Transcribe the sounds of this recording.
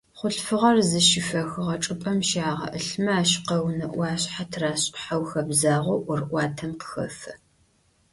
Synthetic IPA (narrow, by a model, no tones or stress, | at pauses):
χʷʊɬfɨʁɐrzɨʃɪfɐxɨʁɐʈ͡ʂʼɨpʼɐmʃaːʁɐ̰ʔɨɬmɐaːɕqɐwnɐʔʷɑːɕʼħatʰraːɕʼħawxɐbzaːʁʷʊʔʷʊrʔʷɑːtʰɐmqə̥xɐ̰fɨ